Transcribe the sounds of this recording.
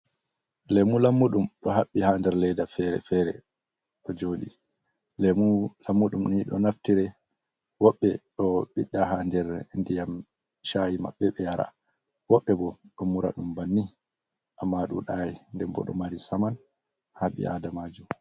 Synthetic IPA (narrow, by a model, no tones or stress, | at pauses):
lɛmulamːuɗumɗɔɦaɓːihaːndɛɾlɛjdafɛɾɛ̰fɛɾɛ̰ | ɗɔd͡ʒoːɗi | lɛmulamːuɗumniɗɔnaftiɾɛ | wɔɓːɛɗɔɓiɗːaɦandɛɾndijam | ʃajima̰ɓːɛɓɛjaɾa̰ | wɔɓːɛbɔɗɔmuɾa̰ɗumbanːi | ʔamːaɗṵɗajindɛmbɔ̰ɗɔ̰maɾisaman | haɓḭʔa̰damad͡ʒum